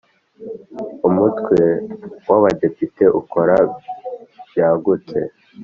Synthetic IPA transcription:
umutkwewaβade̞pite̞ʔuko̞ɾa | bjaːɡutḛ

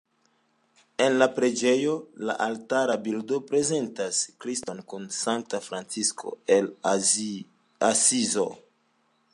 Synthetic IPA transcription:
e̞nlapɾe̞d͡ʒe̞jo̞la̰ʔaltaɾabildo̞pɾe̞ze̞ntaskɾisto̞nkunsantafɾant͡siskʰo̞̰el | asizo

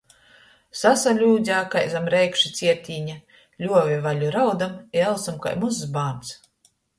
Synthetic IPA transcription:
sasalʲuːzʲaːkajzamɾɛjkʃit̪sʲiɛt̪ʲiːɲa | lʲuɔvʲivalʲuɾawd̪amiɛlˠsamka̰jmussbaːnt̪s

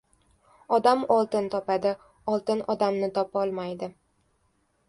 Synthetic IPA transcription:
ɒd̪amɒlˠt̪ɪnt̪ʰɒpad̪ɪ | ɒlˠt̪ɪnɒd̪amnɪt̪ʰɒpɒlˠmajd̪ɪ

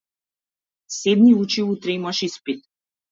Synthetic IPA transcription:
sɛd̪niut͡ʃiut̪ɾɛmaʃispit̪̚

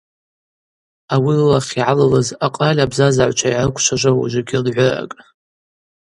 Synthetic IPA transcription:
awilaχʲiʕalalazaqʼalʲabzazaʕʷt͡ʃʷʰaiʕakʷʼʰʃʷʰaʒʷawa̰ʒʷaɡʲɪlʕʷʊra̰kʼ

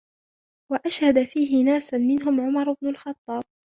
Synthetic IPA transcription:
waʔaʃhad̪afiːɦɪnaːsmɪnɦʊmʕʊmɑɾˤʊbnʊlxɑt̪ˤːɑːb̚

